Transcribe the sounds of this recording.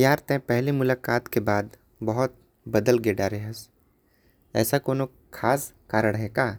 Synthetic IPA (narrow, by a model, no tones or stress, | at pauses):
jaːɾt̪ɛ̃pɛɦlimʊlaːkaːt̪kebaːd̪ | bɐɦʊt̪̚ | bɐd̪əlɡeːɖaːɾeɦəs | ɛ̰ːsakoːno | kʰaːskaːɾəɽɦeːkaː